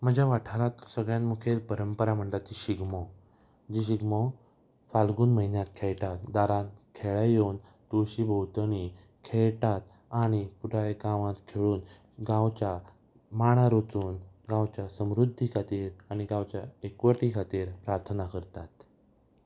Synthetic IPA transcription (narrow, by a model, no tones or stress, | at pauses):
m̤əd͡ʑʱjaʋaʈʰaɾãt̪səɡɭjãnmukʰelpəɾəmpəɾam̤əɳʈat͡ɕiɕiɡmɔ | d͡ʑiɕiɡmɔ | falɡuːnməɦinjãt̪kʰeɭʈ̪at̪d̪aɾãkʰeɭajon | t̪uɕibʱəwt̪əni | kʰeɭt̪at̪ | aɽ̃ipuʈaɭeɡãʋãt̪kʰeɭuːn | ɡãwt͡ɕja | maɽ̃aɾot͡suːnɡãwt͡ɕjasəmɾud̪ʱːikʰat̪iːɾaɽ̃iɡãwt͡ɕjaekʋəʈikʰat̪iːɾpɾaɾt̪ʰənakəɾt̪at̪